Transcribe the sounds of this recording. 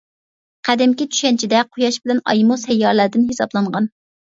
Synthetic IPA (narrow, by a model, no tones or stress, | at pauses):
qʰæd̪ɪmkʲit͡ʃ̪ʰy̥ʃɛnt͡ʃʰid̪ɛqʰojɑʃbɪlɛnɑ̰jmusɛjːɑɾlæɾd̪ɪnɦesɑblˠɑɴʁɑn